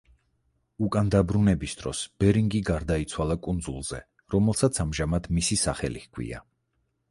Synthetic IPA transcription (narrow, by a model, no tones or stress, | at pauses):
ukʼand̪abɾunɛbisd̪ɾɔ̰sb̥ɛɾiŋɡiɡaɾd̪ait̪sʰwalˠakʼund̪zulˠz̥ɛ̰ | ɾɔmɛlˠsat̪sʰamʒamad̪misisaχɛ̰lḭhkʰwḭa̰